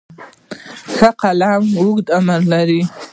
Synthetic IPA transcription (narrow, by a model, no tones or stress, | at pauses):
xaqʰalamuɡʷʼtʼamarlaɾi